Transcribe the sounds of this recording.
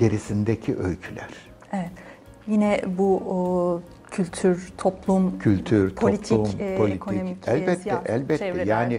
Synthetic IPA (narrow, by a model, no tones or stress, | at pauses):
ɟe̞ɾisind̪ecʰiʔølcʰylʲæɾ̥ | ɛvɛt̪ | jinɛbu | cʰylʲt̪ʰyɾt̪ʰoplˠumcʰylʲt̪ʰyɾtʰolʲipt̪ʰˠumpʰolʲitkʰoomiɛlʲɛt̪ːɛʔælʲbɛt̪ːɛjaːnɪ